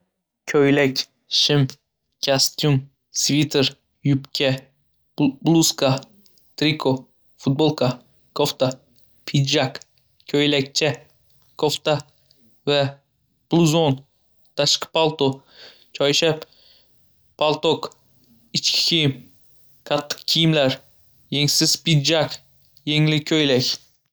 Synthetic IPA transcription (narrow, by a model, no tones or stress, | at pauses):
kʲʰɵjlakʲ | ʃɪm | kʰʲast̪jum | svit̪ʰeɾ | jʊpkʲʰa | blˠuska | t̪ɾikʰo | fʊt̪̚bolˠkʰa | kʰoft̪a | pʰid̪d͡ʒak | kʲʰɵjlak̚ʲt͡ʃʰa | kʰoft̪a | va | plˠuzon | t̪ʰaʃqɨ̥pʰalˠt̪o | t͡ʃʰɒjʃap | pʰalˠt̪ok | ɪt͡ʃkʲʰɪ̥kʲʰijɪm | kʰɑt̪ʰːɨ̥q̚kʲʰɪjɪmlaɾ | jeŋsɪz̥pɪd̪d͡ʒak | jeŋlɪkʲʰɵjlakʲ